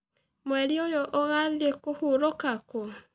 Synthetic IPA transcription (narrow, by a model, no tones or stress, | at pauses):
mwɛɾiojɔʔɔɣaðiekohuɾokako